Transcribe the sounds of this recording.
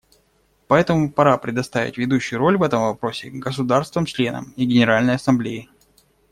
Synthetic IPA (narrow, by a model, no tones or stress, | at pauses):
pɐɛt̪əmʊpɐɾapɾʲɪd̪ɐst̪avʲɪ̰tʲvʲɪd̪uɕːʊjʊɾo̞lʲvɛt̪əmvɐpɾo̞sʲɪ̰ɡəs̬ʊd̪arst̪vɨmt͡ɕlʲe̞nə̰miɡʲɪnʲɪɾalʲnəjɐsɐmblʲejɪ